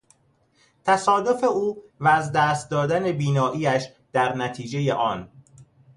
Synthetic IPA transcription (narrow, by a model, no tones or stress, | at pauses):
t̪ʰæsɒːd̪o̞fe̞uːvæːzd̪æːst̪̚d̪ɒːd̪æne̞biːnɒːʔiːæʃ | d̪̥æɾnæt̪ʰiːd͡ʒe̞je̞ʔɒːn